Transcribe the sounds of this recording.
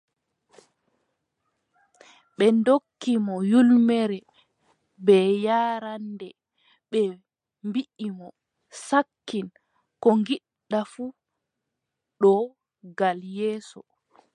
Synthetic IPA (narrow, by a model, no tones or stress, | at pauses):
ɓɛndokːimɔjulmɛɾɛ | bɛjaːɾandɛ | ɓɛ | mbiʔimɔ | sakːin | kɔŋɡiɗːafu | ɗɔ | ɡaljɛːsɔ